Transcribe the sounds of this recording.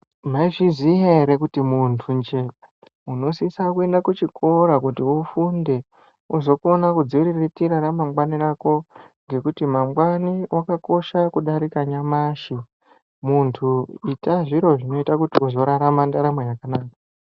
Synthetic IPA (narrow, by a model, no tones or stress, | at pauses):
maiʐizijaɦe̞ɾekutimuntʰund͡ʒe̞ | uno̞sisakue̞ndakut͡ʃikʰo̞ɾakutiufunde̞ | uzo̞kuonakud͡ziɾiretiɾaɾamamɡwaniɾako̞ŋɡe̞kutimamɡwaniwʔakako̞ʃakuɗaɾikaɲamaʃi | muntʰuitaʐiɾo̞ʐino̞itakutiuzo̞ɾaɾamandaɾamejakanaːka